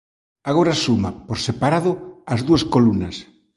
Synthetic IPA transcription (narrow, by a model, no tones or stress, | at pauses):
aɣoɾasumapoɾsepaɾaðʊazðuɐskolunɐs